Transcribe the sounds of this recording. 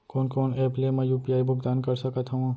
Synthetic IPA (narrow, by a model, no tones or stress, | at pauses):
kɔːnkoːneːplemɛ̃juːpiaːibʊɡd̪aːnkɐɾsɐkət̪ɦũ